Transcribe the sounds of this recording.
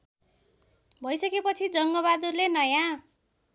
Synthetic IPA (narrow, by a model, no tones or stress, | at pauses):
bʱʌjsʌkepʌt͡sʰid͡zʌŋɡʌβad̪urlenʌjã